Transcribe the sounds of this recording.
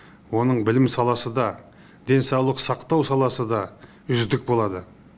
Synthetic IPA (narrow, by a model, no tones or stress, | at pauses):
wo̞nəɴbɪlɪmsɑlˠɑsəd̪ɑ | d̪e̞nsɑwlˠəqsɑqt̪ɑwsɑlˠɑsəd̪ɑ | ʏzd̪ɪk̚bo̞lˠɑd̪ə